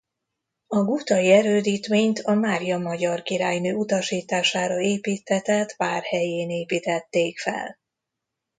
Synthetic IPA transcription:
ɒɡut̪ɒiɛɾøːd̪iːt̪meːɲt̪ʰɒmaːɾijɒmɒɟɒrkiɾaːjnøːut̪ɒʃiːt̪aːʃaːɾɒeːpiːt̪hɛt̪ɛt̪paːrhɛjeːneːpiːt̪ɛt̪ːeːkfɛ̰l

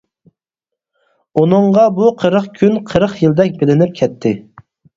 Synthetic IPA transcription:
unɨɴʁɑbuqʰəɾəχkʲʰynqʰəɾəχjild̪ɛk̚ʲbɪlɪnɪp̚kʲʰɛt̪ʰːɪ

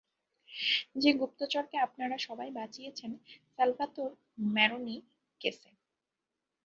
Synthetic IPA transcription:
d͡ʑeɡup̚t̪ot͡ɕoɾkeapnaɾaʃɔbajbat͡ɕijet͡ɕʰensɛlfat̪oɾ | mɛɾoni | kese

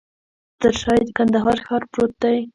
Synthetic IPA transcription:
t̪əɾʃɑjd̪əkand̪aɦɑɾxɑɾpɾot̪̚d̪aj

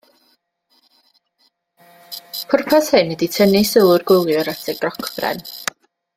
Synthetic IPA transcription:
pʰʊrpʰashɨnːəditʰənisəlˠʊrɡʊlˠjɔɾatʰɛɡ̚rɔkʰb̥rɛ̰n

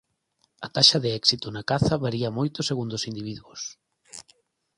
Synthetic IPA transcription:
ɐt̪aʃɐðeɛksit̪ʊnakaθɐβaɾiɐmojt̪ʊseɣund̪osind̪iβiðwuos

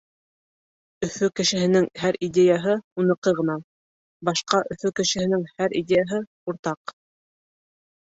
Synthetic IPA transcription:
ɵ̆fɵkɘ̆ʃɘ̆ɦɘ̆nɘŋhæɾidʲejɑɦɤunɤ̆qɤʁɤ̆nɑ | bɑʃqɑʔɵ̆fɵkɘ̆ʃɘ̆hɘ̆nɘŋhæɾʔidʲejɑɦɤ | uɾt̪ɑq

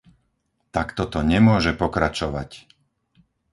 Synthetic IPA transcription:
t̪akt̪ɔt̪ɔɲɛmʊɔʒɛpɔkɾat͡ʃɔʋa̰c

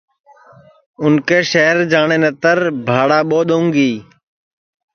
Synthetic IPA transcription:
ʊnkeːʃeːəɾd͡ʒaːɳeːnət̪əɾbʱaːɽaːɓoːɗ̪õːŋɡiː

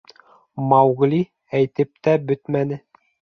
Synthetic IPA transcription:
mɑwɣli | æjt̪ɘp̚t̪æbɵt̪mænɘ

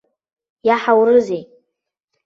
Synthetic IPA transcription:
jaħawɾɨzej

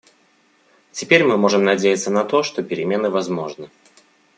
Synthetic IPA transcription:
tʲɪpʲeɾʲmɨmo̞ʐɨmnɐdʲejɪt̪sənɐt̪o̞ʂt̪o̞pʲɪɾʲɪmʲe̞nɨvɐzmo̞ʐnɨ

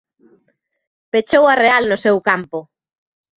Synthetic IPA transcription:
pet͡ʃowarealnosewkampo

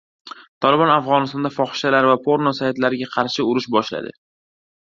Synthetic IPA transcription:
t̪ʰɒlɪbɒnafʁɒnɪst̪ɒnd̪afɒχɪ̥ʃalaɾvapʰoɾnosaat̪laɾɪɡʲaqʰɑɾʃɪʊɾɪʃbɒʃla̰d̪ɪ̰

